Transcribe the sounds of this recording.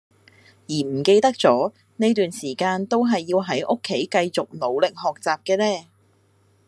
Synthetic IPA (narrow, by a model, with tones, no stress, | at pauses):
jiː˨˩m̩˨˩ke˧jt̪ɐ˥k̚t͡sɔː˨˥ | ne˥jt̪yː˨nsiː˨˩kaː˧nt̪o˥wɦɐ˨jːiː˧wɦɐ˨˥jʔʊ˥kʰːe˨˥jkɐ˧jt͡sʊ˨k̚no˨˧wlɪ˨k̚hɔː˨k̚t͡saː˨p̚kɛː˧nɛː˥